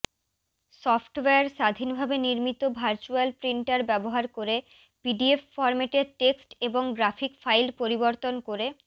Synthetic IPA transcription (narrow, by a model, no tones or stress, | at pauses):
sɔfʈweaɾʃad̪ʱinbʱabeniɾmit̪obʱaɾt͡ɕualpɾiɳʈaɾbɛboɦaɾkoɾe | piɖiefːɔɾmeʈeʈeksʈeboŋɡɾafʰikfajlpoɾiboɾt̪onkoɾe